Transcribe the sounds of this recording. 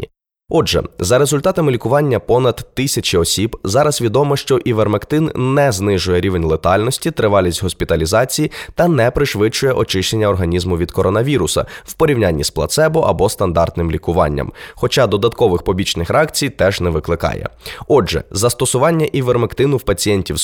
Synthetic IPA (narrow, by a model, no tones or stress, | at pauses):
ɔʒɛ̰zɐɾezʊlʲt̪ɑt̪ɐmɪlʲikʊʋɑnʲːɐpɔnɐd̪ːɪsʲɐt͡ʃiɔsʲibzɑɾɐzʋʲid̪ɔmɔʃt͡ʃɔʔiʋermekt̪ɪnːɛznɪʒʊjɛɾʲiʋenʲlˠet̪ɑlʲnɔsʲtʲit̪ɾɪʋɑlʲisʲtʲɦɔspʲit̪ɐlʲizɑt͡sʲijit̪ɐnɛpɾɪʃʋɪt͡ʃːʊjɛʔɔt͡ʃɪʃt͡ʃenʲːɐɔrɦɐnʲizmʊʋʲid̪kɔɾɔnɐʋʲiɾʊsɐ̰wpɔɾʲiwnʲanʲːisplˠɐ̰t̪sɛbʊʔɐ̰bɔst̪ɐnd̪ɑrt̪nɪmlʲikʊʋɑ̰nʲːɐ̰mxɔt͡ʃɑd̪ɔd̪ɐt̪kɔʋɪxpɔbʲit͡ʃnɪxɾɑkt͡sʲijt̪ɛʒnɛʋɪklˠɪkɑ̰jɛ̰ɔʒɛ̰zɐst̪ɔsʊʋɑnʲːɐʔiʋermekt̪ɪnʊwpɐt͡sʲijɛnʲtʲiw